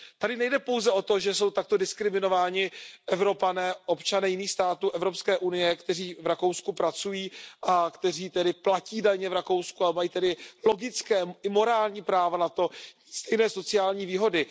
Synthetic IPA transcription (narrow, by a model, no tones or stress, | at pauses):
t̪adɪnɛjdɛpo̞wzɛʔo̞t̪o̞ʒɛso̞wt̪ak̚t̪odɪskɾɪmɪno̞vaːɲɪʔɛvɾo̞panɛːʔo̞pt͡ʃanɛːjɪniːxst̪aːt̪uːʔɛvɾo̞pskɛːʔunɪjɛkt̪ɛriːvɾako̞wskupɾat͡sujiːʔakt̪ɛriːt̪ɛdɪplaciːdaɲɛvɾako̞wskuamajiːt̪ɛdɪlo̞ɡɪt͡skɛːɪmo̞ɾaːlɲiːpɾaːvanat̪o̞ | st̪ɛjnɛːso̞t͡sɪjaːlɲiːviːɦo̞dɪ